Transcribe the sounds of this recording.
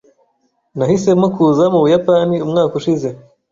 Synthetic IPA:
nahise̞mokuzamuβujapaniumŋaːkuʃize̞

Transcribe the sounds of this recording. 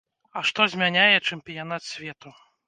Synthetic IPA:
ɐʂt̪ɔzʲmʲanʲajɛt͡ʂɛmpʲijanat̪sʲvʲɛt̪u

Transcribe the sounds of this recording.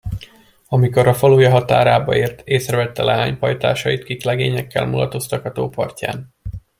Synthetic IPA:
ɒmiko̞ɾɒfɒloːjɒɦɒt̪aːɾaːbɒeːrt̪ʰeːsrɛvɛt̪ːɛlʔɛɦaːɲpɒjt̪a̰ːʃɒjit̪kiːklɛɡeːɲɛkːɛ̰lmulɒ̰t̪o̞st̪ɒkɒt̪oːpɒ̰rca̰ːn

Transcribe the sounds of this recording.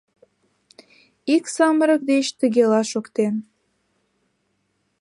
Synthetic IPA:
iksɑməɾək̚d̪et͡ɕt̪əɣelɑʃokt̪en

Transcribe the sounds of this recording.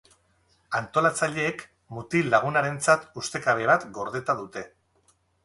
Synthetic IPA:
ant̪o̞lat͡saʎe̞ːk | mut̪ilaɣ̞unaɾe̞nt͡sat̪ust̪e̞kaβe̞β̞at̪ɡo̞ɾð̞et̪aðut̪e̞

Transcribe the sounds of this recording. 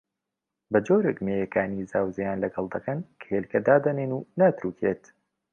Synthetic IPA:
bɐd͡ʒoːɾekmeːjɐkaːnizaːwzɐjaːnlɐɡɐlˠd̪ɐkɐnkʰɐ̥helkɐd̪aːd̪ɐneːnuːnaːt̪ɾuːkʰeːt̪

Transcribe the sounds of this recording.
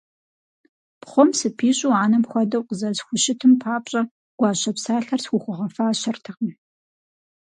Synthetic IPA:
pχʷɔmsɨpʰiːɕʼuaːnɐpxʷɔdɐwqəzɐzxʷʊʃɪtʰɨmpʰaːpɕʼɐ | ɡ̥ʷɑːɕɐpsaːɬɐrsxʷʊxʷʊʁɐfaːɕɐrtʰɨqɐm

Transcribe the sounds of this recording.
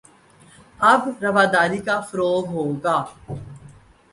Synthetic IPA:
ɐbɾɐʋaːd̪aːɾikafʊɾoːɦɦoːɡaː

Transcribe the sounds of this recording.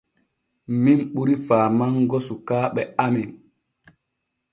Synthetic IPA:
mimɓuɾifaːmaŋɡɔsukaːɓɛamin

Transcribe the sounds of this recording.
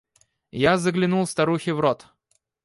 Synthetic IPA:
jazəɡlʲɪnulˠst̪ɐɾuxʲɪvɾot̪

